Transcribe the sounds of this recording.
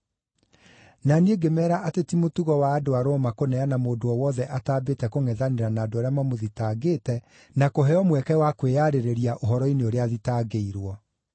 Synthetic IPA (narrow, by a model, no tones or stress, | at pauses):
nanieɡemɛːɾaʔatetimotuɣɔwaːdoaɾomakonɛanamoːdoɔwɔðɛʔataːbetɛkoŋɛðaneɾanaːdoaɾeamamoðitaːɡeːtɛ | nakoɦɛɔmwɛkɛwakweaɾeɾeɾiaʔoɦɔɾɔineoɾeaðitaːɡeiɾwɔ